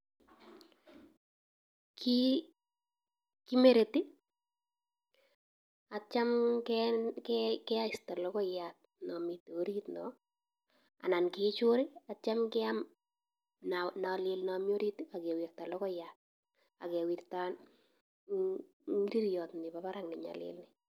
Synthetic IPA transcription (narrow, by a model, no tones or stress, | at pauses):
kʰi | kimeɾeti | at͡ʃamkɛkɛkɛaɪstalɔkɔjat̚ | nɔmitoɾit̪nɔ | a̰nankɪt͡ʃʊɾɪat͡ʃamkɛam | nanalɪlnamjoɾitiakɛwirtalɔkɔjat̚ | a̰kɛwirtan | ŋiɾiɾjɔtnɪpapaɾaŋnɪɲa̰lɪ̰lnɪ